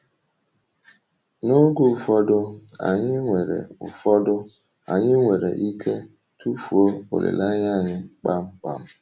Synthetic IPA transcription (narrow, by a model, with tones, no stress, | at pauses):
no˦ɡu˦˨fɔ˦dʊ˦a̰˨ɲɪ˦ŋʷe˨ɾḛ˨ʊ˨fɔ˦dʊ˦ | a̰˨ɲɪ˦ŋʷe˨ɾḛ˨ʔi˦kʰe˦ | tu˦fu˨o˦o˨lḛ˨la˦ɲa˦˨ɲɪ˦k͡pa˦m̩˦k͡pa̰˨m̩˦